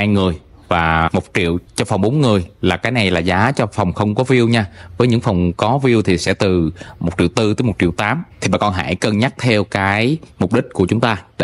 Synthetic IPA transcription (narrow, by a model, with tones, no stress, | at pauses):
aː˧jŋɨ˨˩əj | vaː˨˩mo˨˩t̚t͡ɕḭ˧˨əwt͡ɕɔ˧fa˨˩wŋ͡mɓo˨˦nŋɨ˨˩əjlaː˨˩kaː˨˦jna˨˩jlaː˨˩zaː˨˦t͡ɕɔ˧fa˨˩wŋ͡mxə˧wŋ͡mkɔ˨˦vi˧əwɲaː˧vəː˨˦ɲɨ̰˧˥ŋfa˨˩wŋ͡mkɔ˨˦vi˧əwt̪ʰi˨˩sɛ̰˧˥t̪ɨ˨˩mo˨˩t̚t͡ɕḭ˧˨əwt̪ɨ˧t̪əː˨˦jmo˨˩t̚t͡ɕḭ˧˨əwt̪aː˨˦mt̪ʰi˨˩ɓa̰ː˧˨kɔ˧nɦa̰ː˧˩jkə˨˧˩nɲa˦˥k̚t̪ʰɛ˧wkaː˨˦jmʊ˨˩k͡p̚ɗï˦˥k̟̚ku˧˩ət͡ɕʊ˨˦ŋ͡mt̪aː˧